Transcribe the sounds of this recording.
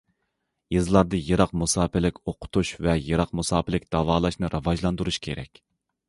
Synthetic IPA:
jɨzlˠɑɾd̪ɨjɨɾɑqmusɑːpɪlɪkʲoqʰʊ̥t̪ʰuʃvɛjɨɾɑqmusɑːpɪlɪk̚ʲd̪̥ɑvɑːlˠɑʃnɨɾʔɑvɑʒlˠɑnd̪uɾuʃkʲʰḛɾɛ̰kʲ

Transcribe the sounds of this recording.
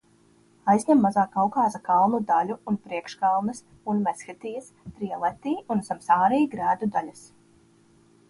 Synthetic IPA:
ajzʲɲʲɛmːazaːkawkɑːzakɑlˠnud̪alʲuunpɾiɛkʃkalˠnəs | unmɛsxit̪iːəst̪ɾiɛlˠɛt̪iːunsamsaːɾɛjɡɾæːd̪ud̪alʲas

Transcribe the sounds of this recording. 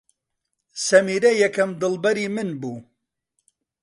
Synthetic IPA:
sɐmiːɾɐjɛkɐmd̪ɨlbɐɾiːmɨnbuː

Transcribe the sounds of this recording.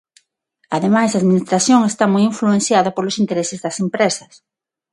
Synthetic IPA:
aðemajzðaðminist̪ɾaθjoŋest̪amojiɱfluen̟θjaðɐpolʊsint̪eɾesɪzðɐsempɾesɐs

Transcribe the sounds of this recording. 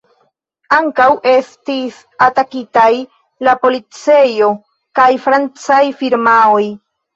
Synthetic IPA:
aŋkawʔe̞stis | atakitaj | lapo̞lit͡se̞jo̞ | kajfɾant͡sajfiɾmaoj

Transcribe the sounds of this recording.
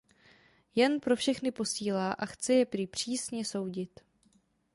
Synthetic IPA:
jɛnpɾo̞fʃɛxnɪpo̞siːlaːʔaxt͡sɛjɛpɾɪpr̝̥iːsɲɛso̞wɟɪt̪

